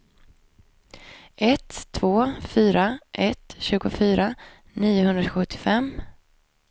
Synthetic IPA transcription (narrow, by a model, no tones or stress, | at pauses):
ʔɛt̪ʰːvoːfyːɾaʔɛt̪ɕʉ̟ːɡʊfyːɾa | niːʊɦɵnd̪ɾaɧɵt̪ʰːɪfɛmː